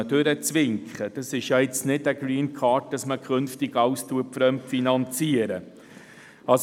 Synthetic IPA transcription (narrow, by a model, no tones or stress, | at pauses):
ədøɾət͡sʋɪŋkχəd̥ɑsɪʃjɑɪt͡snɪdəɡɾiːnkʰɑːt̚d̥ɑsməkʰχønftɪɡ̥ɑwstʰuətfɾœmtfinɑnt͡siəɾə | ɑs